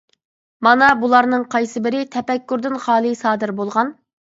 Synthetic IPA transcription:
mɑnɑbulˠɑɾnɨŋqʰɑjsɨbɪɾɪt̪ʰɛpɛkʲːuɾd̪ɪnχɑːlˠɨsɑːd̪ɨɾbolˠʁɑn

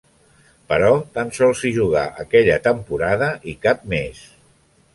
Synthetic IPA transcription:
pəɾɔt̪ansɔlˠsiʒuɣ̞a̰ʔəkɛʎət̪əmpuɾaðəʔikap̚mes

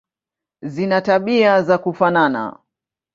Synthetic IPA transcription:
zinataɓiazakufanana̰

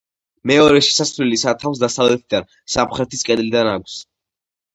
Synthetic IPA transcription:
mɛɔɾɛʃɛ̥sasvlilisat̪ʰafs̬d̪asavlɛt̪ʰid̪an | samχɾɛt̪iskʼɛd̪lid̪anak̚ʷʰs

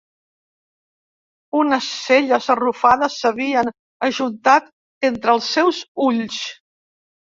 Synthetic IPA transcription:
unəsːeʎəzərufaðəsːəβiən | əʒunt̪at̪ | ent̪ɾəlˠsːɛwzuʎs

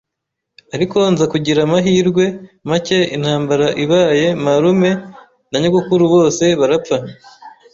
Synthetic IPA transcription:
aɾiko̞nzakuɟiɾamaɦiːɾɡwe̞mace̞in̥haːmbaɾaʔiβaːje̞maɾume̞ | naɲuɡukuɾuβo̞ːse̞βaɾap͡fa

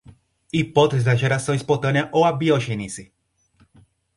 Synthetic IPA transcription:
ipɔt̪ezid̪ɐʒeɾasõj̃spot̪ɐ̃niɐʔowabioʒenisi

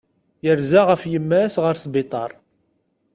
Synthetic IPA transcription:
jəɾzaʁəfjəmːæsʁəɾsbɪt̪ˤɑ̰ɾˤ

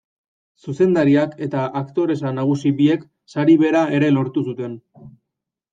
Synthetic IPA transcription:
suse̞nd̪aɾiake̞t̪aʔakt̪o̞ɾe̞sanaɣ̞usiβie̞k | saɾiβe̞ɾae̞ɾe̞lo̞ɾt̪us̬ut̪e̞n

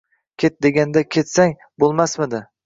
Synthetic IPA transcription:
kʲʰe̞t̪̚d̪e̞ɡʲand̪akʲʰe̞t̪saŋ | bolˠmasmɪd̪ɪ

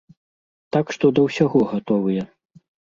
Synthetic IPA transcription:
t̪akʂt̪ɔd̪ɐwsʲaɣɔɣat̪ɔvɨjɐ

